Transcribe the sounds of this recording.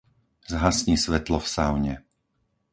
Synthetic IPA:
zɦasɲiːsʋɛt̪lɔfsaʊɲɛ

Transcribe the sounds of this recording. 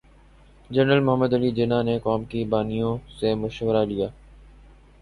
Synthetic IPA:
d͡ʒənɾəlmʊɦəmːəd̪əliːd͡ʒɪnaːneːkaːmkibaːnijõseːmʊʃʋəɾalijaː

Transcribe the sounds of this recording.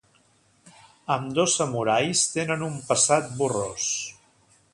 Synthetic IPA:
əmd̪osəmuɾajst̪enənumpəsat̪̚buros

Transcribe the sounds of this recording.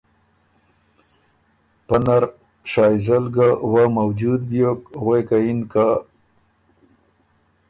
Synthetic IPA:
panaɾ | ʃɑjzalɡawamawd͡ʒud̪bjokɣekainka

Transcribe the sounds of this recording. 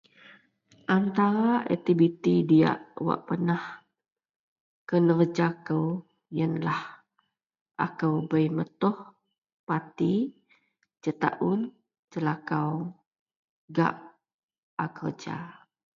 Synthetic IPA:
ʔant̪aɾaʔɛ̰t̪ibit̪idia̰ʔwa̰ʔpənah | kənərd͡ʒakəw | jənlah | ʔa̰kəwbəjmət̪ʊh | pat̪i | d͡ʒət̪a̰ʔʊn | t͡ʃəlakaw | ɡa̰ʔ | akərd͡ʒa̰

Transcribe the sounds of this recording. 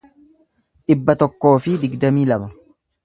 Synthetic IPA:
ᶑɪbːɐt̪ɔkːo̞ːfɪd̪ɪɡd̪ɐmiːlɐmɐ

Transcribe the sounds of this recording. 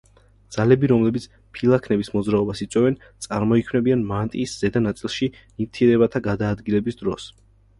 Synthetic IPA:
d̪z̥alɛbiɾɔmlɛbit̪sʰ | pʰilˠakʰnɛbismɔdzɾaɔbasit̪sʼwɛvɛn | t̪sʼaɾmɔikʰwmnɛbianmant̪ʼiːsz̥ɛd̪anat̪sʼilˠʃi | nivt̪ʰiɛɾɛbat̪ʰaɡad̪aːd̪ɡilɛbisd̪ɾɔs

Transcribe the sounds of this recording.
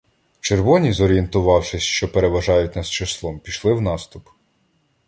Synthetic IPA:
t͡ʃerʋɔnʲizɔɾʲient̪ʊʋɑwʃɪsʲʃt͡ʃɔpe̞ɾe̞ʋɐʒɑjʊtʲnɐst͡ʃɐslˠɔmpʲiʃlˠɪwnɑst̪ʊp

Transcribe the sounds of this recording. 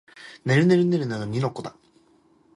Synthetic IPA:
ne̞ɾɯne̞ɾɯ̟neɾɯ̟nad̪oɲʲinokːod̪a

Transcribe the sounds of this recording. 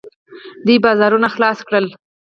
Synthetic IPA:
d̪ibɑzɑɾunaxlɑskɽəl

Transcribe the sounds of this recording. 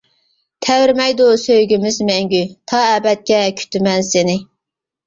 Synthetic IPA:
t̪ʰɛwɪɾmɛjd̪usøjɡʲimɪzmɛŋɡʲyt̪ʰɑːɛːbɛt̪̚kʲɛkʲʰy̥t̪ʰɪmɛnsɪnɪ

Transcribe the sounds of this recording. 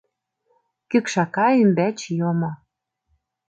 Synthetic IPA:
kykʃɑkɑymbæt͡ɕjomo

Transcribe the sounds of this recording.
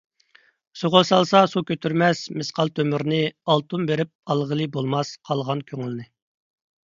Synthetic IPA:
soʁolˠsɑlˠsɑsukʲøt̪ʰyɾmɛsmɪsqʰɑlˠt̪ʰømyɾnɨɑlˠt̪umbeɾɪp̚ɑlˠʁəlˠɨbolˠmɑsqʰɑlˠʁɑnkʲʰøŋylnɪ

